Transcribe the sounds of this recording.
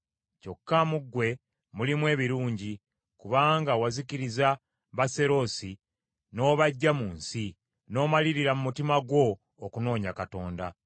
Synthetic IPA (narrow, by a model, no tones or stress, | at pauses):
co̞kːamuɡwe̞ | mulimwe̞ːβiɾuːɲɟi | kuβaːŋɡawaziciɾiza | βase̞ɾo̞si | no̞βaɟːamuːnsi | no̞ːmaliɾiɾamumutimaɡwo̞ː | kuno̞ːɲakato̞ːnda̰